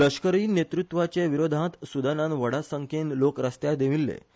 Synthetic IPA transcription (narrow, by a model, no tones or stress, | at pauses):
ləɕkəɾiːnet̪ɾut̪ʋat͡seʋiɾod̪ʱãt̪sud̪anãnʋəɽasəŋkʰenlokɾəst̪jad̪eʋilːḛ